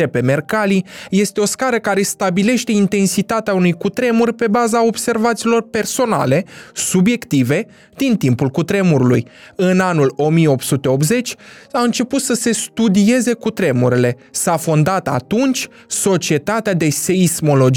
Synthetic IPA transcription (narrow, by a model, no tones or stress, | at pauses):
epe̞me̞rkalije̞st̪e̞o̞skaɾəkaɾe̞st̪abile̞ʃt̪e̞int̪e̞nsit̪at̪eaunujkut̪ɾe̞murʲpe̞bazao̞bse̞rvat̪siːlo̞rpe̞rso̞na̰le̞subje̞kt̪ive̞ | d̪̥int̪impulkut̪ɾe̞muɾulṵjɨnanulo̞mieo̞p̚t̪sut̪e̞o̞p̬̪ze̞t͡ʃʲaɨnt͡ʃe̞put̪səse̞st̪ud̪ie̞ze̞kut̪ɾe̞muɾile̞ | safo̞nd̪at̪a̰t̪unt͡ʃʲ | so̞t͡ʃie̞t̪at̪ead̪e̞se̞ismo̞lo̞d͡ʒ